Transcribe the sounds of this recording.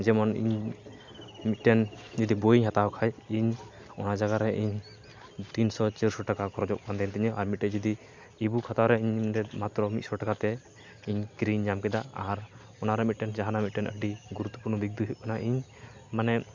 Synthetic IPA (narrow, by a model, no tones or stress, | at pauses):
d͡ʒɛmɔnḭɲ | mit̪̚ʈɛnd͡ʒid̪ibojiɲɦat̪aɔkʰajiɲ | ɔnad͡ʒaɡaɾɛʔiɲ | t̪insɔt͡ʃiɾsɔʈakakɔɾɔd͡ʒɔʔ̚kand̪ɛnt̪ɛɲɔʔaɾmit̪̚ʈɛd͡ʒid̪iː | bukʰat̪aɾɛiɲɾɛmat̪ɾɔmit̪sɔʈakat̪ɛ | iɲkɾiɲːamkɛd̪aaɾ | ɔnaɾɛmit̪̚ʈɛnd͡ʒaɦanamit̪̚ʈɛnʔə̰k̚ɖiɡuɾut̪ːɔ̥puɾnɔbik̚d̪uɦip̚kʰanaʔiɲmanɛ